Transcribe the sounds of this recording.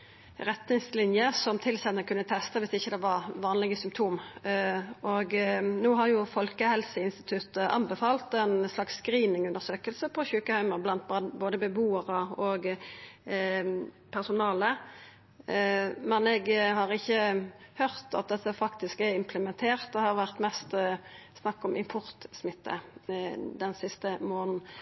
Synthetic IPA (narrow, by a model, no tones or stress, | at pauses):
ɾɛt̪nɪŋslɪnjəsɔmt̪ʰɪlsɛt̪nəkʰʉnːət̪ʰɛst̪əʋɪsɪçːəd̪ɛʋɑʁʋɑːnlɪɡəsʏmpt̪ʰuːm | ʔɔɡnuːɦɑʁjʊfɔlkəhɛlsəɪnst̪ɪt̪ʰʉt̪əʔɑ̰nbɛfɑːlt̪ɛnslɑksːkɾiːnɪŋʉnd̪əʁsøːkəlsəpʰɔçʉːkəhæɪməʁblɑnt̪̚bɑdboːd̪əbəbuːəʁəɔɡ | pʰæʁsʊnɑːlə | mɛnɛɡhɑːʁɪçːəhœʁt̪ɑ̰t̪̚d̪ɛt̪ːəfɑkt̪ɪskæɪmpʰləmɛnt̪ʰeːʁt̪̚d̪ɛhɑʁʋæʁt̪mɛst̪snɑkːɔmʔɪmpʰʊʁt̪smɪt̪ːə̰ | d̪ɛnsɪst̪əmoːnn̩